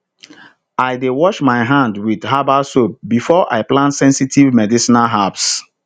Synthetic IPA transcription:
aɪdewɔʃmaɪɦãndwið̥ɦabasop̚bifɔʔa̰ɪplãntsɛ̃nsitʰivmɛdisinalɦabs

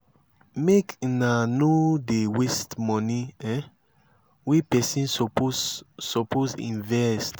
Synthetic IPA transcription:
meknanodewestmɔ̃niɛ | wipɛsĩnpsɔposḭ̃nvɛst

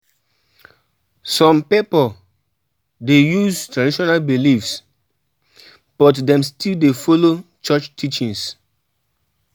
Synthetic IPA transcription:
sɔ̃mpipɔ | dejuztɹadiʃɔnalbilifs | b̥ɔtdɛ̃mstʰildefolot͡ʃɔt͡ʃtʰit͡ʃĩŋs

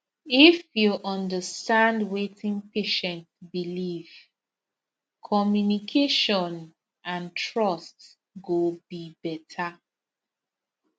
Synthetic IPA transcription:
ifjuʔɔ̃ndəstãndwetĩŋpeʃɛ̃ntbiliv̥ | kʰɔmjunikʰeʃɔ̃n | ãntʰɹɔst | ɡobibɛtʰa

